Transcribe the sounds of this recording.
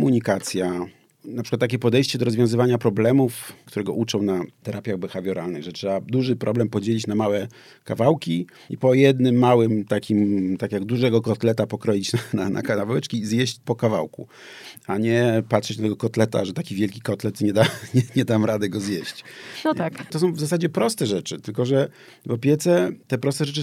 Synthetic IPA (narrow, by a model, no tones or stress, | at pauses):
muɲikat̪sʲja | natpʂɘ̥kwat̪ːak̬ʲɛpɔd̪ɛjɕt͡ɕɛd̪ɔɾɔzvʲjɔ̃zɘvaɲapɾɔblɛmufkt̪uɾɛɡɔ̰ʔut͡ʂɔ̃w̃nat̪ɛɾʔapʲjaɣbɛxavʲjɔɾalnɘɣʐɛtʂɛbad̪uʐɘpɾʔɔblɛmpɔd͡ʑelʲit͡ɕnamawɛ | kavawkʲi | ipɔjɛd̪nɘmːawɘmt̪akʲimt̪akʲjaɡd̪uʐɛɡɔkɔt̪lɛt̪apɔkɾɔjit͡ɕnana̰nʔa̰kanavawɛt͡ʂkʲizʲjeɕt͡ɕpɔkava̰wkṵ | aɲɛpat̪ʂɛt͡ɕnat̪ɛɡɔkɔt̪lɛt̪a̰ʐɛt̪akʲivʲjɛlkʲikɔt̪lɛt̪ɲɛd̪aɲɛɲɛd̪amɾad̪ɘɡɔzjeɕt͡ɕnɔt̪akt̪ɔs̬ɔ̃w̃vzasad͡ʑɛpɾɔst̪ɛʐɛt͡ʂɘt̪ɘlkɔʐɛ | vɔpʲjɛt̪sɛt̪ɛpɾɔst̪ɛʐɛt͡ʂɘ